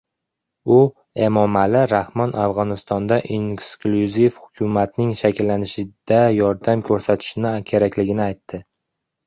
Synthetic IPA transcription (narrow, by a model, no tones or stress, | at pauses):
ʊ | e̞mɒmalɪɾahmɒnʔavʁɒnɪst̪ɒnd̪aʔiŋskluzifhʊ̥kʲʰʊmat̪nɪŋʃakʲɪlːanɪʃɪd̪̥ajɒɾd̪amkʲʰɵɾsat̪ʰɪ̥ʃɪnɪkʲʰe̞ɾakʲlɪɡʲɪnɪajt̪ʰːɪ